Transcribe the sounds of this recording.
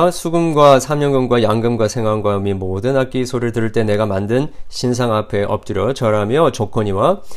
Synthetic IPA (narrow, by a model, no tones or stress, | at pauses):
sʰuɡɯmɡwasʰamɲʌŋɡɯmɡwajaŋɡɯmɡwasʰe̞ŋɦwanɡwamimodɯnak͈isʰoɾɯɭtɯɾɯɭt͈e̞ne̞ɡamandɯnɕʰinsʰaŋapʰe̞ʔʌ̰p̚t͈ɯɾjʌt͡ɕʌɾamjʌt͡ɕokʰʌɲiwa